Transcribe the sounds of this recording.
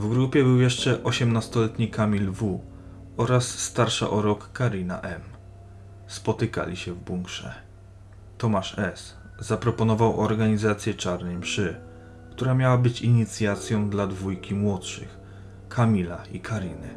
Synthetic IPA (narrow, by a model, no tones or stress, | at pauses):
vɡɾupʲjɛbɘwjɛʂt͡ʂɛʔɔɕɛmnast̪ɔlɛt̪ɲikamʲilvu | ɔɾasːt̪aɾʂa̰ʔɔɾɔkːaɾina̰ʔɛm | spɔt̪ɘka̰lʲiɕɛvbuŋkʂɛ̰ | t̪ɔmaʂɛs | zapɾɔpɔnɔvawʔɔɾɡaɲizat̪sʲjɛt͡ʂaɾnɛjmʂɘ | kt̪uɾamʲjawabɘt͡ɕiɲit̪sʲjat̪sʲjɔ̃w̃d̪lad̪vujkʲimwɔtʂɘ̰x | kʰamʲilaikʰaɾinɘ